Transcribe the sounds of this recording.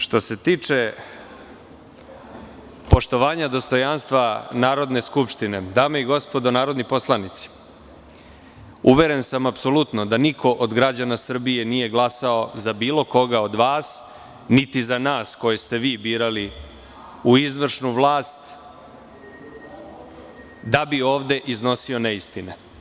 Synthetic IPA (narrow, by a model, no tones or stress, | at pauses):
ʃt̪o̞se̞t̪iːt͡ʂe̞ | po̞ʃt̪o̞ʋaːɲad̪o̞st̪o̞janst̪ʋanaːɾo̞d̪ne̞skupʃt̪ine̞d̪aːmeiɡo̞spo̞d̪o̞naːɾo̞d̪nipo̞slˠanit̪si̥ | uʋe̞ɾe̞nsamapso̞lut̪nod̪anikʰo̞ʔod̪ɡɾad͡ʑanasr̩bije̞nije̞ɡlˠasaozabiːlo̞ko̞ɡao̞d̪ʋaːs | nit̪izanaːsko̞jest̪e̞ʋiːbiːɾali | uizʋr̩ʃnuʋlˠaːst̪ | d̪abio̞ːʋd̪e̞ʔizno̞sioneist̪ine